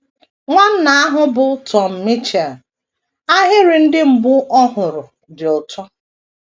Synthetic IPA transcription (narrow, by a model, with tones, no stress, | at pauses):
ŋʷa˦n̩˦na˨a˦ɦʊ˦bʊ˨tʰɔ˨m̩˨mi˦t͡ʃe˨l | a˦ɦɪ˦ɾɪ˨n̩˦dɪ˦m̩˨bʊ˦ʔɔ˦ɦʊ˨ɾʊ˨ | dɪ˨ʊ˨tʰɔ˦